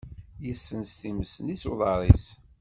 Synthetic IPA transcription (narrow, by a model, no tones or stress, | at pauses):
jəsːənst̪iməsənisuðˤɑɾˤis